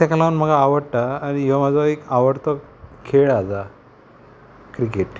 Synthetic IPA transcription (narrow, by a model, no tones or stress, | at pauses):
t̪akalanm̤əɡaːʋəɽʈaːnijamad͡zaekaʋəɽt̪ɔkʰeɭad͡za | kɾikeʈ